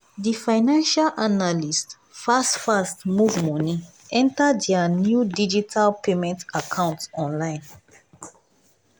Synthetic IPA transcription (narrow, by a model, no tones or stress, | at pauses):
difaɪnãnʃalʔanalist | fastfastmuvmɔnĩ | ɛ̃ntaddɛanjudid͡ʒitʰalpemɛ̃ntakʰãʊ̃ntɔ̃nlãɪ̃n